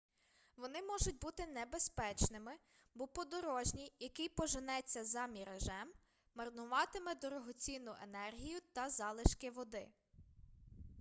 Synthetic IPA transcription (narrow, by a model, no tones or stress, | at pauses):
ʋɔnɪmɔʒʊtʲbut̪ɪnɛbespɛt͡ʃnɪmɪ | bɔpɔd̪ɔɾɔʒnʲijɐkɪjpɔʒɪnɛt͡sʲːɐzɐmʲiɾeʒɛmː | ɐrnʊʋɑt̪ɪmɛd̪ɔɾɔɦɔt͡sʲinʊʔḛnɛrɦʲijʊt̪ɐzɑlˠɪʃkɪʋɔd̪ɪ